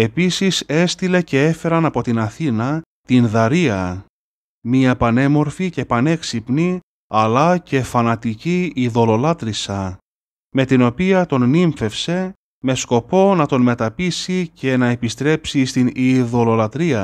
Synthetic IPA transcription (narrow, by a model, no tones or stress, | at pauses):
e̞pisise̞st̪ile̞ce̞e̞fe̞ɾɐnɐpo̞t̪inɐθinɐ | t̪inðɐɾiɐ | miɐpɐne̞mo̞ɾfice̞pɐne̞ksipni | ɐlɐce̞fɐnɐt̪iciːðo̞lo̞lɐt̪ɾisɐ | me̞t̪ino̞piɐt̪o̞nːiɱfe̞fse̞ | me̞sko̞po̞nɐt̪o̞nme̞t̪ɐpisice̞nɐepist̪ɾe̞psist̪iniðo̞lo̞lɐt̪ɾiɐ